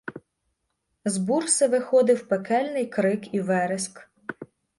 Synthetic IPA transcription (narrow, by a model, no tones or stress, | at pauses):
zbursɪʋɪxɔd̪ɪwpekɛlʲnɪjkɾɪkiʋɛɾɪsk